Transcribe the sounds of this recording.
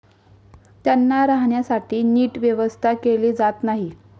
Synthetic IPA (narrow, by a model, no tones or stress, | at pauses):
t̪janːaɾaɦɳjasaʈʰiːniːʈʋjeʋəst̪ʰakeliːd͡zat̪naɦi